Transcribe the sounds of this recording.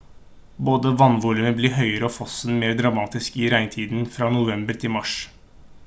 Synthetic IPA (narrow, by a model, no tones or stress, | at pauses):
boːd̪əʋɑnːʋuːlʉnəbliːɦœʏəɾəɔfɔsənmeːɾd̪ɾɑmɑːt̪ɪskiɾæɪnt̪ʰiːd̪n̩fɾɑːnʊʋɛmbəɾt̪ʰɪmɑʂ